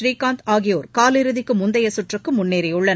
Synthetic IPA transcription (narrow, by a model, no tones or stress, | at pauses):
ɾiːkaːnt̪aːɣɪjoːɾkaːlɪɾɯðɪkːɯmʊnd̪ɐjɐsʊʈrɐkːɯmʊnːeːɾɐjɯɭːɐn